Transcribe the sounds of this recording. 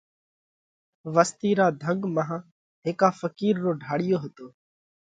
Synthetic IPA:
ʋəst̪iːɾaːd̪ʱəŋɡmãɦ | ɦeːkaːfəkiːɾːoːɖʱaːɽɪjoːɦət̪oː

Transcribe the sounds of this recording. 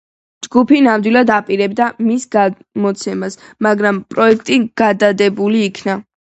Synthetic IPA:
d͡ʒɡupʰinamd̪wilˠad̪apʼiɾɛbd̪amisɡa | mɔt̪sʰɛmasmaɡɾampʼɾɔɛk̚ʰt̪ʼiɡ̥ad̪ad̪ɛbuliːkʰna

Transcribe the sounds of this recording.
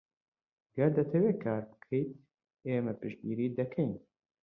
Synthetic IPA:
ɡɐɾd̪ɐt̪ʰɐweːkʰaːɾbɨ̥kʰejt̪̚ | eːmɛpɨʃd̪̚ɡiːɾiːd̪ɐkʰɛjn

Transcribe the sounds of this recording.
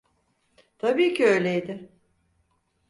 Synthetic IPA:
t̪ʰabiːcʰiø̞jlʲejd̪ɪ

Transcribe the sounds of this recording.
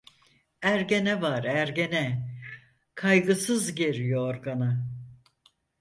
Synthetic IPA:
æɾɟenɛvaɾæɾɟenɛ | kʰajɡɯsɯzɟeɾijooɾɡana

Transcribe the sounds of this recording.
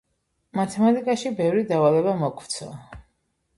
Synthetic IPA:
mat̪ʰɛmat̪ʼikʼaʃibɛvɾid̪avalɛbamɔkʰvt̪sʰɔ

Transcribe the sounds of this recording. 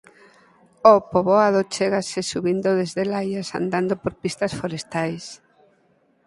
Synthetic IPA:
opoβoaðot͡ʃeɣasesuβind̪oðezðelajasa̰nd̪and̪opoɾpist̪ɐsfoɾest̪ajs

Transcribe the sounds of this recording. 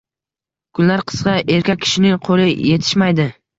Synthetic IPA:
kʰʊnlaɾqʰɨ̥sqɑʔe̞ɾkʲakʲʰɪ̥ʃɪnɪŋqʰolɪje̞t̪ʰɪ̥ʃmajd̪ɪ

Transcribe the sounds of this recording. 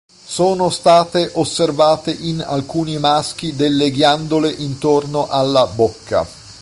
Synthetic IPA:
soːnost̪aːt̪eʔosːervaːt̪eʔina̰lkuːnimask̟id̪elːeɡjand̪oleʔint̪ornoʔalːabokʰːa̰

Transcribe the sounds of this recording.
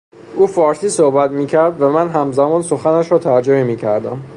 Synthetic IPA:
ʔuːfɒːɾsiːsohbæt̪miːcʰæɾd̪væmænɦæmzæmɒːnso̞xænæʃɾɒːt̪ʰæɾd͡ʒomemiːcʰæɾd̪æm

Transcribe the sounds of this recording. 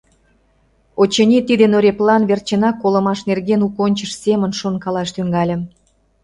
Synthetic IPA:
ot͡ɕənʲit̪id̪enoɾʲeplɑnβert͡ɕenɑkːolə̆mɑʃnerɣenukonʲt͡ɕəʃsemənʃonkɑlɑʃt̪yŋɡɑlʲə̆m

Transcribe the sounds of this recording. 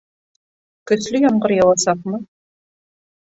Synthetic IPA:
kɵ̆slɵjɒɴɢɤɾjɑwˠɑsɑqmɤ

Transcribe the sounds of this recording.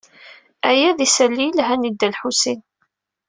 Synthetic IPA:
æjæðisælːilɦænid̪ːælħusin

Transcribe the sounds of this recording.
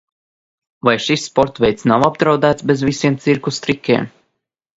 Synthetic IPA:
vajʃisːpɔɾt̪vɛjt̪snawab̚d̪ɾawd̪æːt̪sbezvisiɛmt̪siɾkust̪ɾikʲḭɛm

